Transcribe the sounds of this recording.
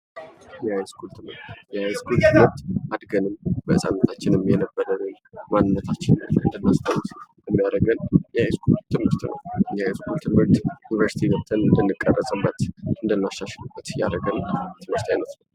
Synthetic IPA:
jɛhajskʰult̪ʰɨmɨ̰ɾt̪jɛhajskult̪ʰɨmɨɾt̪ʔad̪ɡənɨmbəɨsʼa̰nːət̪ʰat͡ʃːɪnɨmjɛnəbːəɾənɨn | manːɨnːət̪ʰat͡ʃːɪnəɨ̰nd̪ənːast̪ʰəwut̪jɛmːijaɾəɡənjɛajskʰult̪ʰɨmhɨɾt̪nə̰wjɛhajskult̪ʰɨmhɨɾt̪jɪnivəɾsi̥t̪ʰinəbt̪ʰənɨnd̪ənːɨkʼːərːəsʼɨbə̰t̪ɨnd̪ənːaʃaʃɛlubːət̪ja̰ɾəɡənt̪ʰɨmhɨɾt̪jajnəsnəw

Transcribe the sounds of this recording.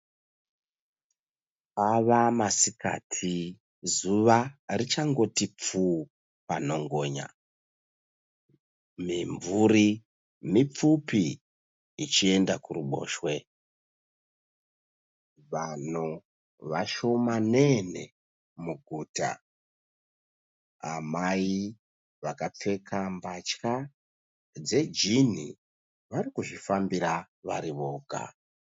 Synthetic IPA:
paʋamasika̰tʰi | zuʋarit͡ʃaŋɡo̞tip͡fu | pano̞ŋɡoɲa̰ | miɱvuri | mip͡fupi | it͡ʃie̞ndakuruɓo̰ːʃwe | ʋano | ʋaʃo̞manene̞̰ | muɡʱuːta̰ | a̰mai | ʋakap͡fe̞kʰambat͡ʃka | d͡ze̞d͡ʒin̤ḭ | ʋaɾikuʐifambiɾa | ʋa̰ɾiʋo̞ːɡa̰

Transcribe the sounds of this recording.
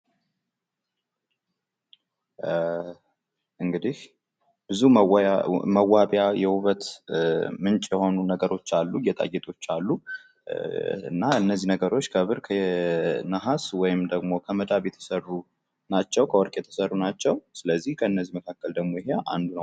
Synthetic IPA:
ʔɨŋɡɨd̪ih | b̥ɨzum | məwːaβjajɛhuβət̪ | mɨnt͡ʃʼjɛho̞nunəɡəɾo̞t͡ʃːalːujɛt̪ʼa̰jɛt̪ʼo̞t͡ʃːalːu | ɨ̰nːaɨnːəzːinəɡəɾo̞t͡ʃːkʰəβɨɾkʰə | naɦaswɔjɪmd̪əɡmo̞kʰəməd̪aβjɛt̪ʰə̥sərːu | nat͡ʃːɛwkʰəwɔɾkʼjɛt̪ʰə̥sərːunat͡ʃːɛwsɨləzːihkʰəɨnːəzːiməkʰakːəld̪əɡmo̞jɪɦea̰nd̪unəw

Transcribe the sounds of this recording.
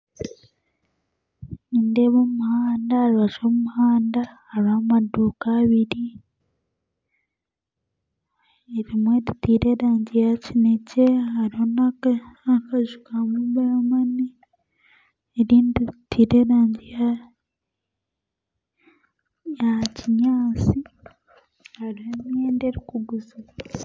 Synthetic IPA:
indeβoumuhaːndaːɾiβat͡ʃomumuhaːndahaɾhamaduːkaːβiɾi | eɾimweditiːɾeɾaːɲɟijacineceaɾihonaakaʒukamumbajamani | eɾiːnditʰiːɾe̞ɾaːɲɟija | jaciɲaːt͡si | haɾihomjeːndeɾikuɡuza

